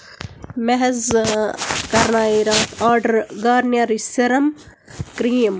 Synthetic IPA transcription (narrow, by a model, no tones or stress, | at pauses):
mɛɦɛz | kɐɾnaːiɾaːt̪ʰaːɾɖɐɾɡaːɾnjaːɾisɪɾɐm | kɾiːm